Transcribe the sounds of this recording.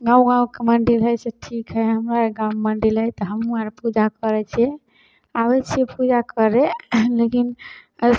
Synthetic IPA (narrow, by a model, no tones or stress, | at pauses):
ɡãw̃ɡãũkeməɳɖilɦəjseʈʰikɦɛɦəmɾaɡãũməɳɖilɦəjt̪ɔɦəmuəɾpud͡ʒakəɾɛt͡ʃʰɛ | abɛt͡ʃʰepud͡ʒakəɾelekinə